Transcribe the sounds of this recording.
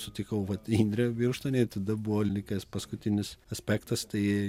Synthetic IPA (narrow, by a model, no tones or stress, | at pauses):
sʊt̪ʲɪkɐʊʋɐt̪inʲd̪ʲɾʲɛʋʲirʃt̪oːnʲeɪt̪ɐd̪ɐbʊʋoːlʲnʲɪkʲɐspɐskʊt̪ʲɪnʲɪsɐsʲpʲæːkt̪ɐst̪ɐɪ